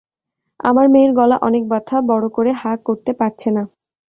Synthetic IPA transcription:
a̰maɾmeɾɡɔla̰ʔɔnek̚bat̪ʰabɔɽokoɾeɦakːoɾt̪epaɾt͡ɕʰena

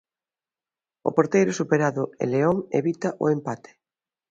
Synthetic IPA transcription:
ʊ̰poɾt̪ejɾʊsupeɾaðʊḛleoŋḛβit̪ɐʔʊ̰empat̪e̥

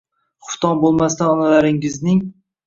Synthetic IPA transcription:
χʊ̥ft̪ɒnbolˠmast̪anɒnalaɾɪŋɪznɪŋ

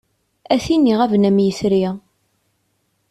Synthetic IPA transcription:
æθinːiʁævnæmjəsɾiʁ

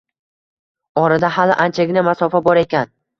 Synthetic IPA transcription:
ɒɾad̪ahalɪ̰ʔant͡ʃʰaɡʲɪnamasɒfabɒɾe̞kʲan

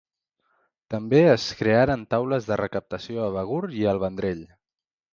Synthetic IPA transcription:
t̪əmbeəskɾeaɾənt̪awləzðərəkəp̚t̪əsioəβ̞əɣ̞uɾiəlˠβənd̪ɾeʎ

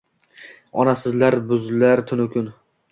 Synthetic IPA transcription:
ɒnasɪzlaɾbʊzlaɾt̪ʰʊnʊkʲʰʊn

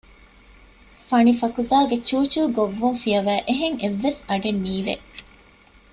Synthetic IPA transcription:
fɐnifɐkuzaːɡet͡ʃuːt͡ʃuːɡoʋːuŋfijɐʋæːʔeɦeŋeʋːesɐɡenːiːʋḛ

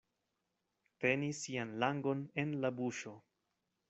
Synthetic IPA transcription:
te̞nisianlaŋɡo̞ne̞nlabuʃo̞

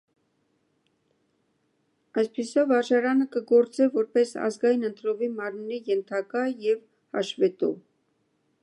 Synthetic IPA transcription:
ɑjspisɔvɑɾʒɑɾɑnəkəɡɔɾt͡sɛvɔɾpɛsɑ̰zɡɑjinənt̪ɾɔvimɑɾmɾijɛnt̪ʰɑkɑjɛv | hɑ̰ʃvɛt̪ɔ̰

